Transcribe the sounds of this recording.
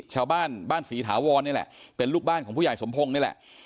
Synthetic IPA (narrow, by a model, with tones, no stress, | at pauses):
t͡ɕʰaː˧wbaː˥˩nbaː˥˩nsiː˩˦t̪ʰaː˩˦wɔː˧nːi˥˩lɛ̰˨˩ʔpe˧nluː˥˩k̚baː˥˩nkʰɔ˩˦pʰuː˥˩˨jso˩˦mpʰo˧ŋni˥˩˨lɛ̰˨˩ʔ